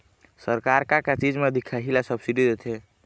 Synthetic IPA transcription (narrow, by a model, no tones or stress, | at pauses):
səɾkaɾkakat͡ʃid͡ʒmed̪ikʰaɦilasəbsiɖid̪et̪ʰɛ